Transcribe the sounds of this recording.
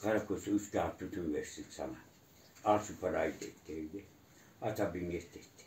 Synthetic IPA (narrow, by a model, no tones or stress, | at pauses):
kɑrkosyskæɑpyt̪yʋessit̪sɑ̰nɑ | ɑsupɑrɑit̪ḛt̪ːeje | ʔɑt̪ɑbimiest̪eht̪ːe̥